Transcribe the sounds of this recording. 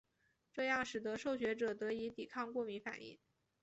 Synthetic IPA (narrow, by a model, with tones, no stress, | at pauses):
ʈ͡ʂɤ˥˧jɑ˥˩ŋʂɻ̩˨˩d̪ə˧˥ʂo˥˩ʊɕɥɛ˧˥ʈ͡ʂɤ˨˩t̪ɤ˧˥i˧˥t̪i˨˩kʰɑ˥˧ŋkwɔ˥˩mi˧˥fa̰˨˩nḭ˥˩ŋ